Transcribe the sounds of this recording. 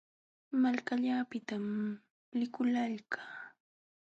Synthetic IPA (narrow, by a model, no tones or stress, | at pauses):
malkaʎapɪt̪am | lɪkʊlaʎkaː